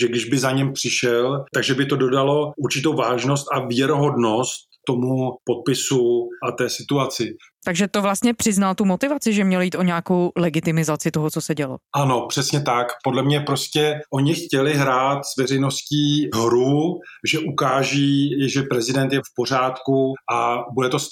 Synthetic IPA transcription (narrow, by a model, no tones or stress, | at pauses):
ʒɛɡdɪʒbɪzaɲɛmpr̥ɪʃɛlt̪aɡʒɛbɪt̪o̞do̞dalo̞uɾt͡ʃɪt̪owvaːʒno̞st̪avjɛɾoɦo̞dno̞st̪ːomupo̞t̪̚pɪsuʔat̪ɛːsɪt̪uat͡sɪ | t̪aɡʒɛt̪ovlast̪ɲɛpr̥ɪznalt̪umot̪ɪvat͡sɪʒɛmɲɛlojiːt̪ʔoɲɛakowlɛɡɪt̪ɪmɪzat͡sɪt̪oɦot͡sosɛɟɛlo̰ʔano̞pr̝̥ɛsɲɛt̪akpo̞dlɛmɲɛpɾoscɛʔo̞ɲɪxcɛlɪɦɾaːt̪z̥vɛrɛjno̞sciːɦɾuʒɛʔukaːʒiːʒɛpɾɛzɪdɛnt̪jɛfpo̞r̝aːt̪kuʔabudɛt̪os